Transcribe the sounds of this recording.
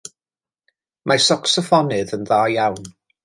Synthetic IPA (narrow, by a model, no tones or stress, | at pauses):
mʔasɔksɔfɔnɪðənðaːjawn